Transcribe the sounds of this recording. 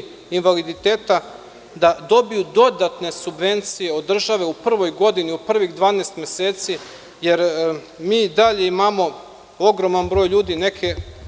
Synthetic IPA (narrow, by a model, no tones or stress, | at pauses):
inʋalid̪it̪eːt̪a | d̪ad̪o̞bijud̪o̞d̪at̪ne̞subʋe̞nt̪sije̞o̞d̪ːr̩ʒaʋe̞upr̩ʋo̞jɡo̞d̪iniupr̩ʋiɣd̪vʋaːneːst̪mʲjeseːt̪si | je̞ɾ | miːd̪aʎe̞imamo̞ | o̞ɡɾo̞manbɾo̞ːjʎuːd̪ine̞kʰe